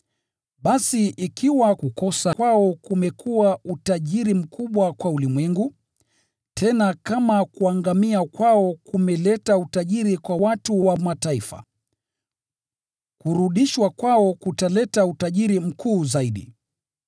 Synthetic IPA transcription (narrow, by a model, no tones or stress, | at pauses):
ɓasiʔikʰiwakukɔsakwaɔkumɛkʰuwautaʄiɾim̩kʰuɓwakwaulimwɛŋɡu | tʰɛnakamakuaŋɡamiakwaɔkumɛlɛtautaʄiɾikwawatuwamataifa̰ | kuɾuɗiʃwakwaɔkutalɛtautaʄiɾim̩kʰuːzaiɗḭ